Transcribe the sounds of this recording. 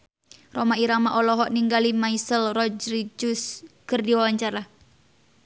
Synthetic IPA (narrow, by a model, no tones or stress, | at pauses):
romaiɾamaʔɔlɔɦɔʔniŋɡalimaisəlrɔd͡ʒɾid͡ʒʊskərdiwawaɲt͡ʃaɾa